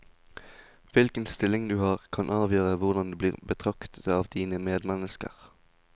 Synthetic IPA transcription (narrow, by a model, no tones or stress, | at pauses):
ʋɪlkənst̪ɪlɪŋd̪ʉːhɑːʁkʰɑnʔɑːʋjøːʁəʋʊʁd̪ɑnd̪eːbliːʁbət̪ʰʁɑkt̪ə̥t̪ɑːʋd̪̥iːnəmeːd̪mɛnəskə̰ʁ